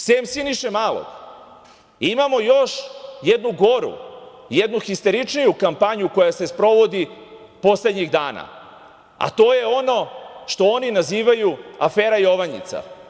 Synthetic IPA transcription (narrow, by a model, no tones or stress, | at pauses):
seːmsiniʃemaːlˠo̰ɡ | imamo̞jo̞ʃjed̪nuɡo̞ɾṵ | jed̪nuxist̪eɾit͡ʂnijukampaɲuko̞jase̞spɾo̞ʋo̞d̪i | po̞sle̞d̪ɲiɣd̪aːna̰ | a̰t̪o̞ːje̞o̞no̞ʃt̪o̞o̞ninaziːʋajuafeːɾajo̞ʋaɲḭt̪sa̰